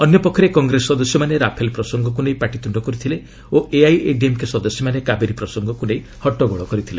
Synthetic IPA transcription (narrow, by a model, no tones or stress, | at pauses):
ɔnjɔpɔkʰːɔɾekɔŋɡɾesɔd̪ɔsjɔmaneɾapʰelpɾɔsɔŋɡɔk̬unejpaʈit̪uɳɖɔkɔɾit̪ʰile | oʔeajḛɖiemkesɔd̪ɔsjɔmanekabeɾipɾɔsɔŋɡɔkunej | hɔʈːɔɡɔɭɔkɔɾit̪ʰile